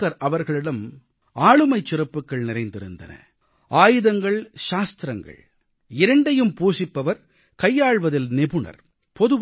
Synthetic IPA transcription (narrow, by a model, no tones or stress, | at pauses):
ɐɾʔɐʋɐɾɣɐɭɪɽɐm | aːɻɯmɐɪt͡ʃːɪrɐpːɯkːɐɭnɪɾɐɪnd̪ɪɾɯnd̪ɐ̰nɐ̰ | ʔaːjɯðɐŋɡɐɭʃaːst̪ɾɐŋɡɐ̰ɭ | ɪɾɐɳɖɐjɯmpuːsɪpːɐʋɐɾ | kɐjːaːɻʋɐðɪlnɪbɯɳɐ̰ɾ | pɔðɯʋ